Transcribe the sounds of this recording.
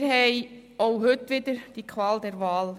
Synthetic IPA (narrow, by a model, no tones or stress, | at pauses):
ɦɛɪ | oʊɦʏtʋɪd̪əɾd̥ikʰʋɑːld̪ɛɾvɑːl